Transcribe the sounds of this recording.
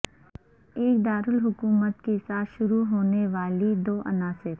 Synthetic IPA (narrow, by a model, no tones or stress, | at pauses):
eːk̚d̪aːɾʊlɦʊkuːmət̪kesaːt̪ʃʊɾuɦoːneʋaːlid̪oːʔɐnaːsɪɾ